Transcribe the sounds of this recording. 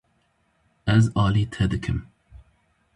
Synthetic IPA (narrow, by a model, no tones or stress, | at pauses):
ɛzɑːliːt̪ʰɛd̪ɨkʰɨm